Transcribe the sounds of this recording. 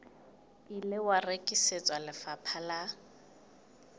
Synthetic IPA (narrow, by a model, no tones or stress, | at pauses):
ilɪwarekʼiset͡sʼwalɪfapʰala